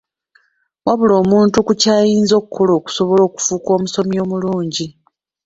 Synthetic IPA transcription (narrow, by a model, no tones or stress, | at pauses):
waβulo̞ːmuːntukucaːjiːnzo̞ːkukʰːo̞lo̞ːku̥so̞βo̞lo̞ːku̥fuːko̞ːmuso̞mio̞ːmuluːɲɟi